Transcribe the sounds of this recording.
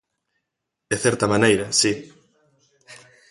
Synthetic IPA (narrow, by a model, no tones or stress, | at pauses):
d̪eθɛɾt̪ɐmãnejɾɐsi